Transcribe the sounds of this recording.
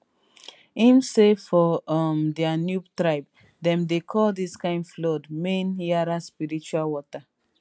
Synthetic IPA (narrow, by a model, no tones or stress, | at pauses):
ĩmsefɔɔmdɛanjutɹaɪb̚ | dɛ̃mdekʰɔldiskãɪ̃ndflɔdmẽnjaɾaspiɾit͡ʃualwɔta